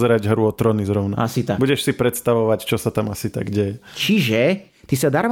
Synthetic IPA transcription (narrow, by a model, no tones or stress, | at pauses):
zɛɾaɟɦɾuɔt̪ɾɔnizɾɔʊna̰a̰sit̪abuɟɛʃsipɾɛt̪st̪aʋɔʋact͡ʃɔsat̪amasit̪a̰ɡɟɛjɛt͡ʃiʒɛ | t̪isad̪aɾm